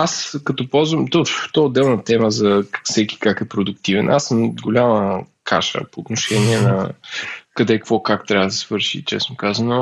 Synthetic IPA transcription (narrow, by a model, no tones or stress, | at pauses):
askɐt̪ɔpɔlˠzvəmt̪ɔt̪ɔɛod̪ːɛlˠnɐt̪ɛməzɐsɛkʲi̥kakɛpɾod̪ʊkt̪ivɛnʔasːəmɡolʲaməkʰa̰ʃə̰poːt̪noʃɛniɛnɐ̰ | kɐd̪ɛkkvɔkakt̪ɾʲabəd̪ɐsvɤɾʃḭt͡ʃɛ̰snʊkazəno